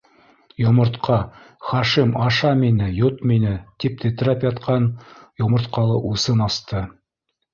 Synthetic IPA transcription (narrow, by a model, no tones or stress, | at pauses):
jŏmɤ̆ɾt̪qʰɑ | χɑʃimɑʃɑminɘjot̪minɘt̪ip̚t̪ʰĕt̪̆ɾɑpjɑt̪qɑnjŏmɤ̆ɾt̪qɑlˠɤʔusɤnɑst̪ɤ